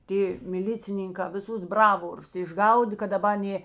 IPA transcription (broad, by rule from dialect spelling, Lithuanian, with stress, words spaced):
ˈtʲeː mʲɪˈlʲɪt͡sʲɪnʲɪŋkɑː ʋʲɪˈsʊs ˈbrɑːʋoːrʊs ɪʒˈɡɐʊdʲeː kɐt dɐˈbɐ ˈnʲeː